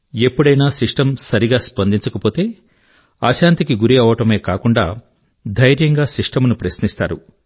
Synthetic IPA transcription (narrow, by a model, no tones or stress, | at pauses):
e̞pːuɽɐjnaːsiʂʈɐmsɐɾiɡaːspɐnd̪iɲt͡ʃɐkɐpo̞ːt̪e̞ː | aːʃaːnt̪ikiɡuɾiɐːʋɐʈɐme̞ːkaːkuɳɖaː | d̪ʱɐjɾjɐŋɡaːsiʂʈɐmunupɾɐsnist̪a̰ːɾṵ